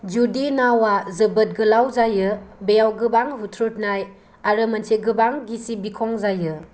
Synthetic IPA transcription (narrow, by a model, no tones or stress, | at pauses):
d͡ʒudinawazɯbɯt̚ɡɯlawzajɯbejawɡɯbaŋɦutʰɾut̚naj | aɾɯmansʰeɡɯbaŋɡisibikʰɔŋzajɯ